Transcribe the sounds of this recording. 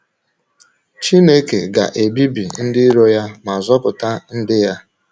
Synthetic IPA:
t͡ʃi˦ne˦kḛ˨ɡa̰˨ʔe˨bi˦bḭ˨n̩˦dɪ˦ɾo˦ja˦ma˨zɔ˦pʊ˨ta˦n̩˦dɪ˦ja˦

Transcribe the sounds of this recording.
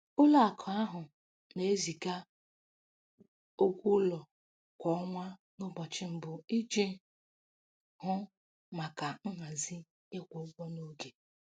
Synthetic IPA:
ʊ˦la˨a˨kʰɔ˨a˦ɦʊ˨ | ne˨e˦zi˨ka˦ | o˦kʷu˦lɔ˨ | kʷɔ˨˦ɔ˦ŋʷa˦nʊ˦bɔ˨t͡ʃɪ˦m̩˨bʊ˨i˦d͡ʒe˦ | hʊ˦ | ma˨ka˨ŋ̩˦ŋa˨zi˦ | e˦kʷo˨˦ɡ͡bʷɔ˦no˦ɡe˨

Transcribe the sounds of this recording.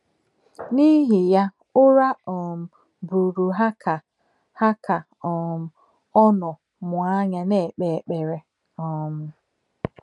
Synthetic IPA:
ni˦ɦi˨ja˦ | ʊ˦ɾa˦ɔ˨m̩˨ | bu˨ɾu˨ɦa˦ka˨ | ha˦ka˨ | ɔ˨m̩˨ | ɔ˦nʊ˨ | mʊ˨a˦ɲa˦ne˦˨k͡pe˨k͡pe˨ɾe˨ | ɔ˦m̩˦

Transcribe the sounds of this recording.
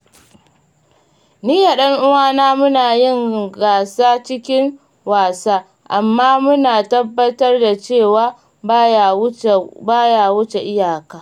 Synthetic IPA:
niː˦ja˨ɗɐ˦ŋʔʊ˦waː˦naː˦mʊ˦naː˨jɪ˦˨ŋɡaː˨saː˦t͡ʃɪ˦kʲɪ˦ŋ | waː˨saː˦ | ʔa˨mːaː˦mʊ˦naː˨tɐ˦bːɐ˦tɐ˦rda˨t͡ʃeː˦˨waː˦ | baː˦jaː˨wʊ˦t͡ʃe˨ʔɪ˦jaː˨kaː˦

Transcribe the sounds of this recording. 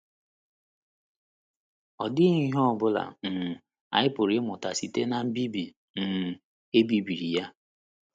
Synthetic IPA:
ɔ˨dɪ˦i˦ɦɔ˦˨bʊ˦la̰˨m̩˨ | a̰˨ɪ˦pʊ˨ɾɪ˦mʊ˨ta˨si˨te˦na˨m̩˦bi˦bi˨ | n̩˨ | e˦bi˦bi˨ɾi˨ja˦

